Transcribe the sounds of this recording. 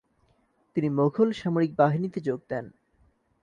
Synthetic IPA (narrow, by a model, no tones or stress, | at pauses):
t̪inimoɡʰʱolʃamoɾik̚baɦinit̪ed͡ʑoɡ̚d̪ɛn